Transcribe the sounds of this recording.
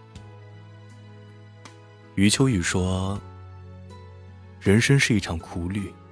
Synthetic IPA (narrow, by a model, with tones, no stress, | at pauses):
y˧˥t͡ɕʰjo˧˥ʊy˨˩ʂwɔ˥ | ɻə˧˥nʂə˥ŋʂɻ̩˥˧i˥˩ʈ͡ʂʰɑ˨˩ŋkʰu˧˥ly˥˩